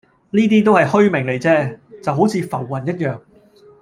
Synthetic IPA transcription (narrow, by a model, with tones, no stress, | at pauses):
niː˥t̪iː˥t̪̬o˥whɐ˨jhɵ˥ɥmɪ˨˩ŋle˨˩jt͡sɛː˥t͡sɐ˨wɦo˨˥wt͡sʰiː˨˧fɐ˨˩wːɐ˨˩njɐ˥t̚jœː˨˧ŋ